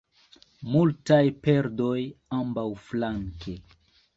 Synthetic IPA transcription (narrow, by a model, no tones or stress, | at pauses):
multajpe̞ɾdo̞jambawflaŋke